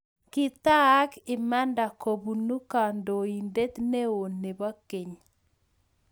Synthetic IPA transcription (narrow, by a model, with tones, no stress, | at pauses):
kɪ˦t̪a˦kɪ˨ma˦nda˨ko˨bu˨nu˦ka˨ndo˨i˨nde˦t̪ne˦o˨ne˨ba˦ke˨ɲ